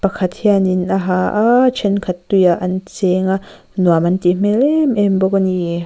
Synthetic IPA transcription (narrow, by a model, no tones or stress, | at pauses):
pakʰat̪̚hianinaɦaʔat͡ʃʰɛnkʰat̪ːujaʔant͡seŋaʔ | nuamant̪im̥ɛlɛmʔɛmbokani